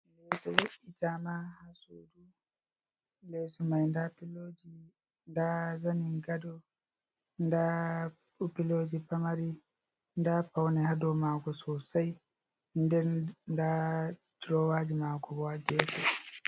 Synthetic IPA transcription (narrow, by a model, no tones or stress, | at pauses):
lɛsɔwɔʔitamahasudu | lɛsɔmajndapilod͡ʒi | ndazaniŋɡadɔ | nda | upiloːd͡ʒipamaɾi | ndapawnɛhadɔmaɡɔsɔsaj | ndɛnnda | d͡ʒɾɔwad͡ʒimaːkɔbɔad͡ʒɛtɔ